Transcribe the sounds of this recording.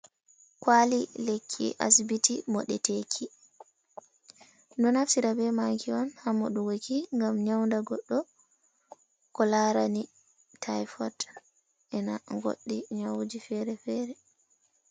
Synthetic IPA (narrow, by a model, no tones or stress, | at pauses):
kwalilekʰːḭʔa̰sbitimɔ̰ɗɛtekʰi | ndɔnafsiɾabɛmaŋkʰiɔnhamɔɗuwokiŋɡamɲawndaɡɔɗːɔ | kɔlaɾani | tʰajfɔt | ʔɛnaŋɡo̰ɗːiɲawd͡ʒifɛɾɛfɛːɾɛ